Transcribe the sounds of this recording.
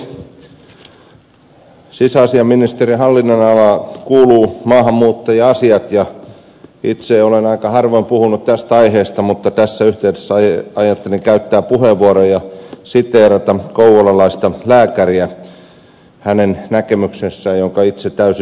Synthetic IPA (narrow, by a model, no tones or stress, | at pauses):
sisæːsiɑmːinist̪erihɑlːinːonɑlɑkuːluːmɑːɦɑmːuːt̪ːɑjɑɑsiɑt̪jɑ | it̪seolenɑikɑhɑrʋoimpuhunut̪t̪æst̪æɑiɦeːst̪ɑmut̪ːɑt̪æsːæyht̪eydesːɑjɑt̪ːeliŋkæyt̪ːæːpuheʋːuɑɾojɑsit̪eːɾɑt̪ɑkouʋolɑlɑist̪ɑlæːkæriæ | hænennækemyksesːæjjoŋkɑit̪set̪t̪æys